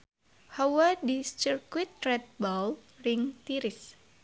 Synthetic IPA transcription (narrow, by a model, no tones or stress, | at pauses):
hawadist͡ʃirkwit̪̚rɛt̪̚balrɪŋt̪iɾɪs